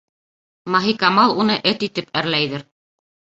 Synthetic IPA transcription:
mɑɦikɑmɑlˠunɤʔɘt̪it̪ɘpæɾlæjðɘɾ

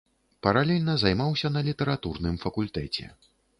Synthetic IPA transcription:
pɐɾalʲɛlʲnɐzajmawsʲɐnɐlʲit̪ɛɾat̪urnɨmfɐkulʲt̪ɛt͡sʲɛ̰

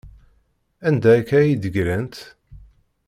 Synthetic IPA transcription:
ænd̪ækæjid̪əɡɾænt̪

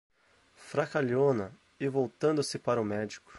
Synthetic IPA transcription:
fɾakaʎõnɐ | ɪvowt̪ɐ̃nd̪ʊsɪpaɾɐʊmɛd͡ʒikʊ̥

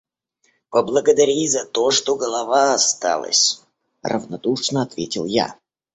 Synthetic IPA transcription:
pəblˠəɡəd̪ɐɾʲizɐt̪o̞ʂt̪oɡəlˠɐvaɐst̪a̰lˠə̰sʲ | rə̰vnɐ̰d̪uʂnəɐt̪vʲetʲɪlˠja̰

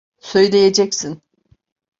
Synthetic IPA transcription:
sø̞jlʲe̞jed͡ʒɛcsin

